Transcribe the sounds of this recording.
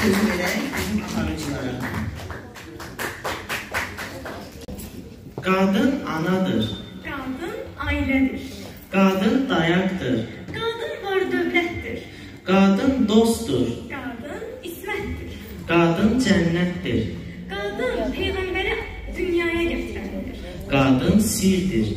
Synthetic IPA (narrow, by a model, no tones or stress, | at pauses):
øziveɾæɾuɑɾɯd͡ʒlˠɑɾɯ | ɡ̥ɑːd̪ɯnɑnɑd̪ɯ̰ɾɡ̥ɑːd̪ɯnɑːilæd̪iɾ̥ | ɡ̥ɑːd̪ɯnd̪ɑjɑkd̪ɯɾɡ̥aːd̪ɯnvoɾd̪øblʲɛt̪d̪iɾ | ɡ̥aɑːd̪ɯnd̪ost̪uɾɡ̥aːd̪ɯn | ismæt̪d̪iɾ̥ | ɡ̥aːd̪ɯnd͡ʒænːɛt̪ːiɾɡ̥aːd̪ɯnt̪ʰemæɾleɾɛ | d̪ynjaːjaɟɛt̪ɾæmd̪iɾ̥ | ɡ̥aːd̪ɯnsiɾd̪iɾ